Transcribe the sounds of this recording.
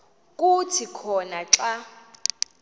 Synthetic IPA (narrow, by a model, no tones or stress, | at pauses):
kʼutʰikʰɔnaǁa